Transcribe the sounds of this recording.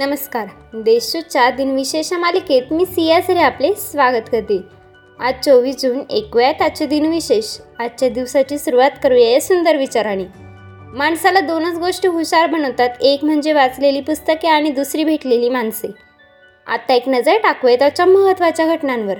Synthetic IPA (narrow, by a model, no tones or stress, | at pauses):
nəməskaɾ | d̪eɕt͡ɕut͡ɕad̪inʋiɕeɕamaliket̪miːsijasəɾeaplesʋaɡət̪kəɾt̪e | at͡soʋiːd͡zuːnḛkʋjat̪at͡ɕed̪inʋiɕeɕat̪ːt͡ɕjad̪iʋsat͡ɕiːsuɾuʋat̪kəɾujejesund̪əɾʋit͡ɕaɾañi | maɳsalad̪onət͡sɡoʂʈəɦuɕaɾbʱəñəʋt̪at̪ekm̤əɳd͡zeʋat͡sleliːpust̪əkeaɽ̃id̪usɾiːbʱeʈleliːmaɳse | a̰t̪ːaeknəd͡zəɾʈakʋjt̪at͡ɕaməɦət̪ʋat͡ɕjaɡʱəʈnãnʋəɾ